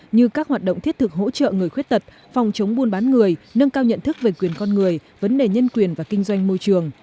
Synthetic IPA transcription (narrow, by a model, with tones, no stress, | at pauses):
ɲɨ˧kaː˦˥k̚hwaː˨˩t̚ɗo̰˧˨wŋ͡mt̪i˦˥t̚t̪ʰɨ˨˩k̚ɦo̰˧˥t͡ɕə̰ː˧˨ŋɨ˨˩əjxwi˦˥ət̚t̪ə˨˩t̚ | fɔ˨˩wŋ͡mt͡ɕə˨˦wŋ͡mɓu˧ənɓaː˨˦nŋɨ˨˩əjnə˧ŋkaː˧wɲə̰˧˨nt̪ʰɨ˦˥k̚ve˨˩kwi˨˩ənkɔ˧nŋɨ˨˩əj | və˨˦nɗe˨˩ɲə˧nkwi˨˩ənvaː˨˩kï˧ŋ̟zwa˧jŋ̟mo˧jt͡ɕɨ˨˩əŋ